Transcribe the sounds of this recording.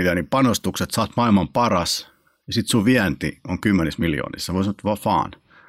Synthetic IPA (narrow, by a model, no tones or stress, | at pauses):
it̪ænipɑnost̪ukset̪sɑːt̪mɑilmɑmpɑrɑs | jɑsit̪suʋiænt̪ḭoŋkymːenesmiljo̰ːnḭssɑmosemot̪ːʋɑfɑ̰ːn